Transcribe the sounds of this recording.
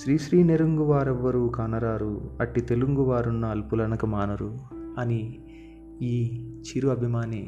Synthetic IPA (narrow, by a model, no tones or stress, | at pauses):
ʃɾiːʃɾiːneɾuŋɡuʋaːɾɛʋːɐɾuːkaːnɐɾaːɾuɐʈːit̪e̞luŋɡuʋaːɾunːɐːlpulɐnɐkɐmaːnɐɾuɐni | iːt͡ʃiɾuɐbʱimaːni